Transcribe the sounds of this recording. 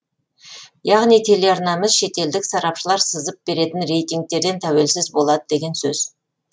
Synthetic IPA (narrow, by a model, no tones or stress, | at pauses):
jɑʁnijt̪ʰe̞le̞ɑɾnɑməzʃe̞t̪e̞ld̪ɪksɑɾɑpʃəlˠɑɾsəzəp̚b̥e̞ɾe̞t̪ɪnɾe̞jt̪iŋk̚t̪e̞ɾd̪e̞nt̪ʰæwe̞lsɪzbo̞lˠɑd̪əd̪e̞ɡʲe̞nsɵz̥